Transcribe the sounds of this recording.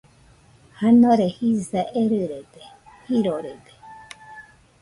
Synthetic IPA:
hanoɾehisaʔeɾɯɾed̪e | hiɾoɾed̪e̥

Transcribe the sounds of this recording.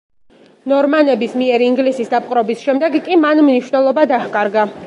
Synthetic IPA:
nɔɾmanɛbismiɛɾiːŋɡlisisd̪apʼqʼɾɔbisʃɛmd̪ɛɡkʼimanmniʃwnɛlˠɔbad̪ahkʼaɾɡa

